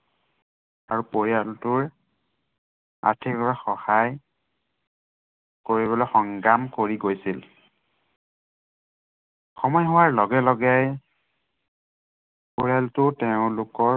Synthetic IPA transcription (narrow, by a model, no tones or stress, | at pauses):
a̰ɹupoɹijaltʊɹ | a̰tʰiklɔɹaxɔhaj | koɹibɔlojxɔŋɡamkoɹiɡojsil | xɔmɔjɦʊwaɹlɔɡɛlɔɡaj | poɹialtʊtɛʊ̃lʊkɔ